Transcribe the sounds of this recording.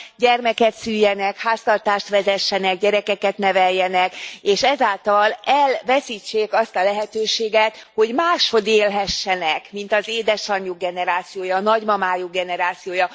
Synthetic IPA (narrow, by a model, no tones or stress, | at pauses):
ɟɛrmɛkɛt̪syːjːɛnɛkhaːst̪ɒrt̪aːʃt̪ʋɛzɛʃːɛnɛɡɟɛɾɛkɛkɛt̪nɛvɛjːɛnɛkeːʃɛzaːlt̪ɒlɛlvɛsiːt͡ʃːeːkɒst̪ɒlɛɦɛt̪øːʃeːɡɛt̪ho̞ɟmaːʃho̞d̪eːlɦɛʃːɛnɛkmint̪ɒzeːd̪ɛʃɒɲːuɡ̚ɡɛnɛɾaːt̪sijoːjɒːnɒɟmɒmaːjuɡɛnɛɾaːt̪sijoːjɒ